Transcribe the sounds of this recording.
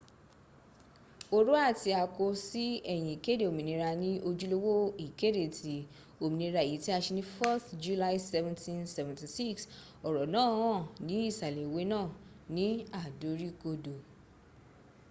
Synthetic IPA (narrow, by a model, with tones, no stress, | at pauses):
o˧ɾu˦a˦˨ti˧a˧ko˧si˦ɛ˦˨j̃ĩ˨i˨ke˦de˦˨o˨mĩ˨nĩ˧˦ɾa˧nĩ˦ʔo˧d͡ʒu˦lo˦wo˦i˨ke˦de˦˨tʰi˨˦ | o˨mĩ˨nĩ˧ɾa˧˨e˨i˨˦ti˦a˧ʃe˧nĩ˦fɔ˦td͡ʒu˧la˦i˦sɛ˧vɛ̃˧ntĩ˧nsɛ˨vɛ̃˨nti˨si˦ks | ɔ˨ɾɔ˨nãː˦ɔ̃˦˨nĩ˦i˦˨sa˨lɛ˨we˨˦nãː˦˨ | nĩ˦a˦˨do˨˦ɾi˦ko˧do˨